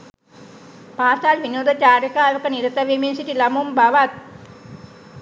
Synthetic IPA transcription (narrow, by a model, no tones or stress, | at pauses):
paːsalʋinoːd̪ət͡ʃaːɾəkaːʋəkəniɾət̪əʋeminsit̪ilamumbaʋat̪̚